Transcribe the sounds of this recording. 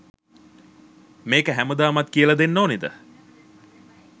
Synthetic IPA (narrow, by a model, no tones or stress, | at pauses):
meːkəɦæməd̪aːmɐt̪kiəlɐd̪enːoːnid̪ə̰